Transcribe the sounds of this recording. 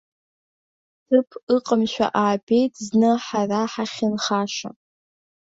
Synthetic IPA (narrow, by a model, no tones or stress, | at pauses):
tʰɨpʰɨqʼəmʃʷᶣa̰ʔaːbejtʰznɨħaraħaχʲɪnχaːʃa̰